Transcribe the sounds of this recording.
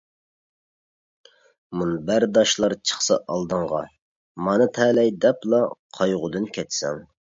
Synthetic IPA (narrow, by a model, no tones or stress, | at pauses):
munɨbæɾd̪ɑʃlˠɑɾt͡ʃʰə̥χsɑ̰ʔɑlˠd̪əɴʁɑ̰ | mɑnɨt̪ʰɛlɛjd̪ɛplˠɑqʰɑjʁʊd̪ɨnkʲʰɛt̪sɛ̰ŋ